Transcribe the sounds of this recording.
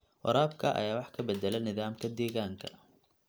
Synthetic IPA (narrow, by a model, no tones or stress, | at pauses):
wɔ̰ɾaːbkʰɐʔɐ̰jaːwɑħkʰɐbɛd̪ɛlɛnɪðaːmkʰɐd̪ɛːɣaːŋkʰɐ̰